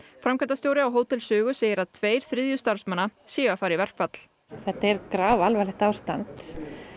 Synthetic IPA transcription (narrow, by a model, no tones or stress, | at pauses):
fɾamkʰant̪ast̪jowɾɪawɦoːwt̪ɛlsʏːɣʏseːjɪɾaðt̪ʰveːjɾ̥θɾɪːðjʏst̪aɾ̥smanːasjiːvafaːɾivɛr̥kvat̪l̥ | θɛht̪ːaɛɾkɾaːvalvajlɛxt̪aːwst̪ant̪